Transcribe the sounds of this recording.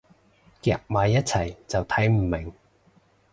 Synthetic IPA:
kɛ̰ː˧˥k̚maː˨˧jːɐ˥t̚t͡sʰɐ˨˩jt͡sɐ˨wt̪ʰɐ˨˥jm̩˨˩mɪ˨˩ŋ

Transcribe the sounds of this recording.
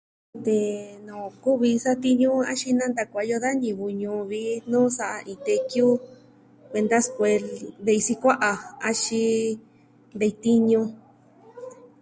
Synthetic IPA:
t̪e˨nõ˨ku˦βi˧sa˦t̪i˦ɲũ˦a̰˦ʃi˧nã˦nd̪a˧kʷa˨˧jo˧ða˦ɲĩ˨βu˧ɲũ˧βi˧nũː˦sa˧ʔa˧ʔĩ˧t̪e˧kju˦ | kʷe˧nd̪a˦skʷe˧ld̪e˧i˧si˧kʷa˦ʔa˧a˧ʃi˧ | d̪e˧t̪i˦ɲũ˧

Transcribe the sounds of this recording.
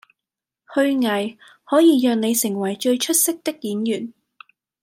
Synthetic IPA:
hɵ˧ɥŋɐ˨˩j | hɔː˨˥jiː˧jœː˧ŋne˨˧jsɪ˨˩ŋwɐ˨˩jt͡ʃɵ˧ɥt͡ʃʰɵ˥t̚sɪ˥k̚t̪ɪ˥k̚jiː˨˥njyː˨˩n

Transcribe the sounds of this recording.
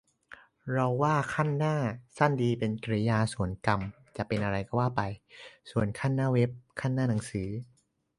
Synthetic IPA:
ɾa˧wːaː˥˩kʰa˥˩nːaː˥˩sa˥˩ndiː˧pe˧nkɾi˧jaː˧su˨˩ənka˧m | t͡ɕa˨˩ʔpe˧nʔa˧ɾa˧jka˥˩waː˥˩pa˧jsu˨˩ənkʰaː˥˩nːaː˥˩we˦˥p̚kʰaː˥˩nːaː˥˩na˩˦ŋsɯː˩˦

